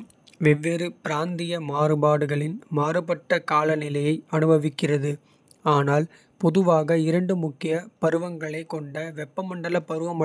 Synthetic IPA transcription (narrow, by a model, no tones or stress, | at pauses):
ʋɛʋːeːɾɯpɪɾaːnd̪ɪjɐmaːɾɯbaːɽɯɣɐɭɪnmaːrɯpɐʈːɐkaːlɐnɪlɐjɐɪɐnɯbɐʋɪkːɪrɐðɯ | aːnaːl | pɔðɯʋaːɣɐɪɾɐɳɖɯmʊkːɪjɐpɐɾɯʋɐŋɡɐɭɐɪkːɔɳɖɐʋɛpːɐmɐɳɖɐlɐpɐɾɯʋɐmɐ